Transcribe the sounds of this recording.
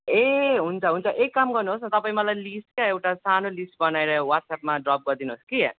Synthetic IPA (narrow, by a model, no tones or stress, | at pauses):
eɦunt͡sʰʌɦunt͡sʰʌʔekːamɡʌrnuɦosnʌt̪ʌpaĩmʌlajlisʈkaewʈasanolisʈ̚bʌnaeɾʌwaʈsap̚maɖrɔp̚ɡʌrd̪inuɦoski